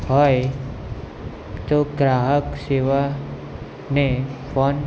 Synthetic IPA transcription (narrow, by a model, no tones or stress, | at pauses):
ɦɔj | t̪oɡɾaɦəkseʋa | nefʰɔn